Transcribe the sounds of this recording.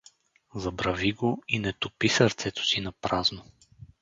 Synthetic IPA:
zɐbɾɐviɡoinɛt̪ʊpisɐɾt̪sɛt̪o̥sinɐpɾazno

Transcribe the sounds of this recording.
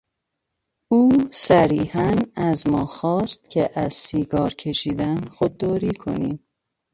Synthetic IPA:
uːsæɾiːhænæzmɒːxɒːst̪̚cʰeʔæz̥siːɡɒːɾcʰe̞ʃiːd̪ænxod̪̚ːɒːɾiːkʰo̞̰niːm

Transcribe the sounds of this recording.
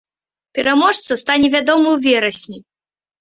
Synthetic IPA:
pʲɛɾamɔʂt̪sɐst̪anʲɛvʲad̪ɔmɐwvʲɛɾɐsʲnʲi

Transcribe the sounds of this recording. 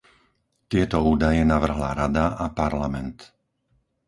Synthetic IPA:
t̪ɪɛt̪ɔuːd̪ajɛnaʋr̩ɦla̰ɾad̪aʔapaɾlamɛnt̪

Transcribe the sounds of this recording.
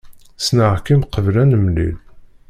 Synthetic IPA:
snəʁkimqəvlænəmlḭl

